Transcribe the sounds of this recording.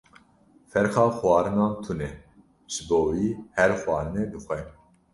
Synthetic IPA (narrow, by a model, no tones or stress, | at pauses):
fɛɾxɑːxwɑːɾɨnɑːnt̪ʰunɛ | ʒ̥ɨboːwiːhɛɾxwɑːɾɨnɛːd̪ɨxʷɛ